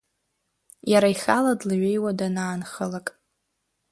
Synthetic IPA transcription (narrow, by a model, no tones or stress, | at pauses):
jaɾaiχʲaladlɨɥejwadanaːnχəlakʼ